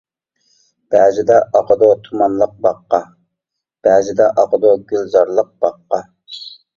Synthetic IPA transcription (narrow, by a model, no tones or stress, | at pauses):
b̥ɛːzɪd̪ɛʔɑqəd̪ot̪ʰumɑnlˠəq̚bɑqːɑ | b̥æzɪd̪ɛʔɑqəd̪oɡʲylzɑɾlˠəq̚b̥ɑqːɑ